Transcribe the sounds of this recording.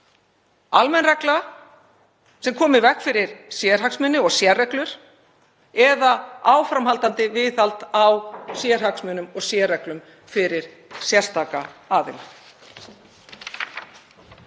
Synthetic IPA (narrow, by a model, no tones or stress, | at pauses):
almɛnrɛkla | sɛmkʰɔːmɪvɛhkfɪɾɪɾ̥sjɛɾ̥ɦaksmʏnːʏɔɣsjɛrːɛklʏɾ̥ | ɛðaaːwfɾamɦalt̪ant̪ɪvɪθalt̪awsjɛɾ̥haksmʏːnʏmɔɣsjɛːrɛklʏm | fɪɾɪɾ̥ | sjɛr̥st̪aːkaaːðɪ̰na